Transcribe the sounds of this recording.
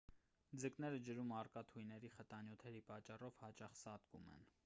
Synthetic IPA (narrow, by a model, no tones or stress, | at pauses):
d͡zəknɛɾəd͡ʒəɾumɑrkɑt̪ʰujnɛɾiχət̪ɑnjut̪ʰɛɾipɑt͡ʃːɑrɔvhɑt͡ʃɑχsɑt̪kṵmɛ̰n